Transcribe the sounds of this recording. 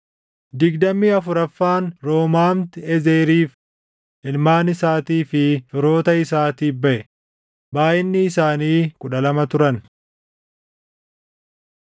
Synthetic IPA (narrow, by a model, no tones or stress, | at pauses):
d̪ɪɡd̪ɐmːiːɐfʊɾɐfːaːnɾo̞ːmaːmt̪ɪɛzeːɾiːf | ʔɪlmaːnɪsaːt̪iːfɪfɪɾo̞ːt̪ɐɪsaːt̪iːbɐʔɛ | baːʔɪnːɪːsaːniːkʼʊᶑɐlɐmɐt̪ʊɾɐn